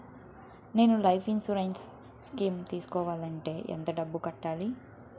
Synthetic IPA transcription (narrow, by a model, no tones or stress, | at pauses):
ne̞ːnulɐjpʰinsuɾɐns | skiːmt̪iːsu̥kɔːʋaːlɐɳʈe̞ːʔɛ̰nt̪ɐɖɐbːukɐʈːaːli